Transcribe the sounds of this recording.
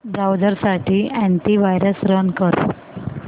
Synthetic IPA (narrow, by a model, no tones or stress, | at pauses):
bɾawd͡zəɾsaʈʰiːæ̃ɳʈiʋajɾəsɾənkəɾ